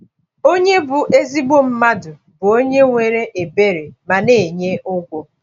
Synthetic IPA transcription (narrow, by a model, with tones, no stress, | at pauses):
o˦ɲe˦bʊ˨ʔe˦zi˦ɡ͡bo˦m̩˦ma˦dʊ˨ | bʊ˨o˦ɲe˦ŋʷe˨ɾe˦ʔe˨be˦ɾe˨ma˨ne˨ɲe˦ʊ˦ɡʷo˦